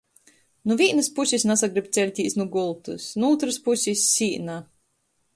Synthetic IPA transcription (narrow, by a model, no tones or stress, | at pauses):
nuvʲiɛnɨspusʲisnasaɡɾibt̪sʲɛlʲt̪ʲiːsnuɡulˠt̪usnuuːt̪ɾɨspusʲisʲːiːna